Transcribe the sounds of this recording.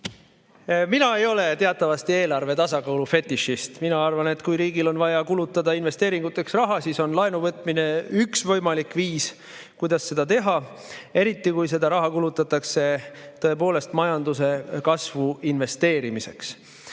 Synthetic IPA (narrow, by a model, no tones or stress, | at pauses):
minɑe̞jo̞le̞t̪e̞ɑt̪ːˑɑvɑst̪ie̞ːlɑrve̞t̪ɑsɑɡɑwlufe̞t̪ːiʃist̪minɑɑrvɑne̞t̪kujɾiːɡilo̞nvɑjɑkulut̪ːˑɑd̪ɑinve̞st̪e̞ːɾiŋɡ̥ut̪ːˑe̞ksrɑɦɑsiso̞nlɑenuvɤt̪ˑmine̞yksvɤ̞jmɑlikviːs | kujd̪̥ɑsːe̞d̪ɑt̪e̞ɦɑ | e̞ɾit̪ːikujs̬e̞d̪ɑɾɑɦɑkulut̪ːˑɑt̪ːˑɑkse̞t̪ɤ̞e̞po̞ːle̞st̪mɑjɑnd̪us̬e̞kɑsvuinve̞st̪e̞ːɾimise̞̰ks